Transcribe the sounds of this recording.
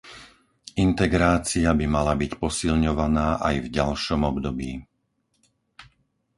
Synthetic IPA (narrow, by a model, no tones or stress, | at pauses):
int̪ɛɡɾaːt͡siabimalabicpɔsilɲɔʋanaːʔajvɟalʃɔmɔbd̪ɔbiː